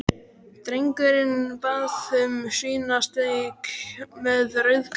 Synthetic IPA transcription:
t̪ɾejŋkʏɾɪnpaːðʏmsiːnast̪ejkmɛðrœɥðk

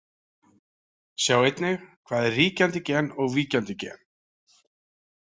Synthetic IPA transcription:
sjaːwejt̪nɪɣkʰvaːðɪrriːcant̪ɪcɛːnɔɣviːcant̪ɪcɛ̰ːn̥

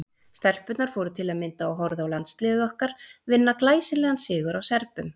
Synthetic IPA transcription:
st̪ɛr̥pʏt̪naɾ̥fɔowɾʏt̪ʰɪlaðmɪnt̪aːwɦɔɾðaawlant̪st̪lɪːðɪɔhkaɾ̥vɪnːaklaːjsɪlɛːɣansɪːɣʏɾawsɛɾpʏm

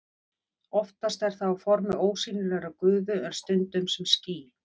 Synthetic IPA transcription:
ɔft̪ast̪ɛɾ̥θawafɔɾmɪoːwsiːnʏɾlɛɾakʏːðʏœnst̪ʏnt̪ʏmsɛmsciː

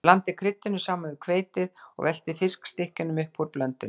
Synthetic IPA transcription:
lant̪ɪkʰɾɪt̪ːɪnʏsaːmanvɪkʰveːjt̪ɪðɔ̰ɣvɛl̥t̪ɪfɪskst̪ɪhcʏnʏmʏhpʰuɾplœnt̪ʏ

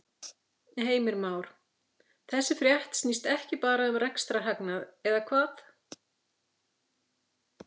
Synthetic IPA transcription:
heːjmɪɾmaːwɾ̥ | θɛsːɪfɾjaht̪snist̪ɛhcɪpaːɾaʏmrɛkst̪ɾaɦaknaðɛðakʰvaːθ

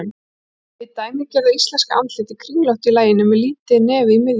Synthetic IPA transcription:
n | ɪt̪aːjmɪcɛːɾðaist̪lɛnskaʔa̰nt̪ɪt̪ɪkʰɾiŋlawht̪ilaːjɪnːʏmɛliːt̪ɪnɛːvɪimɪɣ

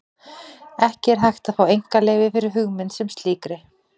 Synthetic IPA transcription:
ɛhcɪɛɾ̥ɦajxt̪aðfaːwejŋ̥kaleːjvɪfɪɾɪɾ̥ɦʏɣmɪnsɛmst̪liːkɾɪ

